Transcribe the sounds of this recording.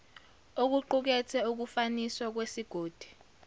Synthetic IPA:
ok̬uǃuk̬ɛtʰɛuk̬ufaniswak̬wesiɡ̥ʱoːd̥ʱi̥

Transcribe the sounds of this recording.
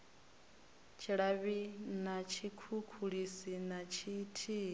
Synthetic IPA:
t͡ʃʰiɺaβinat͡ʃʰikʰukʰuɺisinat͡ʃʰitʰi

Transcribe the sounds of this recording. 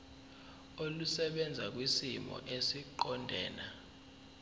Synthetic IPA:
olusɛɓɛnd͡zʱak̬wisimɔ̰ʔesiǃɔndʱɛːna

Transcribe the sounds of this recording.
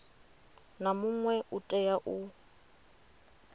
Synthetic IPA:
namʊŋwɛʔʊtʼɛjaʔʊ

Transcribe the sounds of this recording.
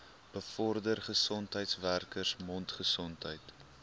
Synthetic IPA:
b̥əfɔrdərχəsɔntɦəjtsværkərsmɔntχəsɔntɦəjt

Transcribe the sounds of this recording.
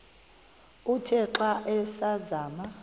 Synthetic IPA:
utʰɛǁaʔɛsazaːma

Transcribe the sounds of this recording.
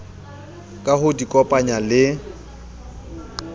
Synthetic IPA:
kʼahʊdikʼɔpʼaɲalɪ

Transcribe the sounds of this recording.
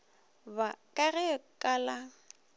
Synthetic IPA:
bakʼaɣɛkʼala

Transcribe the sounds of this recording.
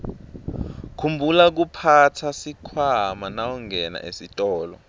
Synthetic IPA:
kʰumbʱulak̬upʰatʰasikʰwamanawɔŋɛna̰ʔḛsitʼɔːlɔ̰

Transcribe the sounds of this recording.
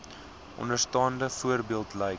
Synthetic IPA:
ʔɔ̰ndərstɑːndəfuərbiəlˠtlɛjk

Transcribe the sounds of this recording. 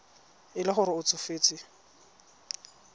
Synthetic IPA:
ɪlɪχʊɾɪʊt͡sʰʊfeːt͡sʼɪ

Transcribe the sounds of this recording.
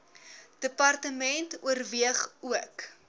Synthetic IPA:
d̥əpɐrtəmɛntuərviəχuək

